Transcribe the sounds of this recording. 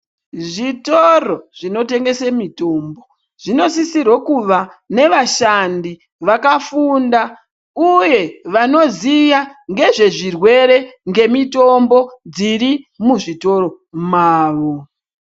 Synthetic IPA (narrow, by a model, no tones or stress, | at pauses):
ʐitoro̞ʐ̥ino̞te̞ŋɡe̞semito̞mbo̞ | ʐ̥ino̞sisirwokuʋane̞ʋaʃandi | ʋakafunda | uje̞ʋano̞zijaŋɡe̞ʐe̞ʐirwe̞ɾe̞ŋɡe̞mito̞mbo̞d͡zirɾimuʐito̞ɾo̞ | maːʋo̞